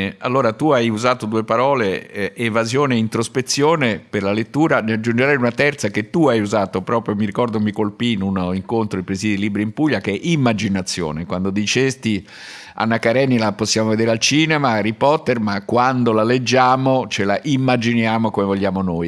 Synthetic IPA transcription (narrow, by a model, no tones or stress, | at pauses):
a̰lːoːɾat̪uajuzaːt̪od̪uːepaɾɔːleevazjoːneint̪ɾospet̪sːjoːneperlalet̪ːuːɾanead͡ʒːund͡ʒeɾɛjunat̪ɛrt̪saket̪ːuajuzaːt̪opɾɔːpɾjomiɾikɔrd̪omikolpiːnunoiŋkont̪ɾoipɾezid̪iliːbɾimpuʎːakeɛʔimːad͡ʒinat̪sːjo̰ːnekwand̪od̪it͡ʃest̪i | a̰nːakaɾɛnːilaposːjaːmoved̪eɾealt͡ʃiːnemaːrːipɔrt̪ːermakːwand̪olaled͡ʒːaːmot͡ʃelaʔimːad͡ʒinjaːmokomevoʎːaːmonoj